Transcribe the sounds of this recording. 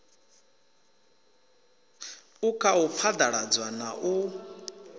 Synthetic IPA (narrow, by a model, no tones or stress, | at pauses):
ukʼʰaup̪fʰad̪aɺad͡zwanaʔu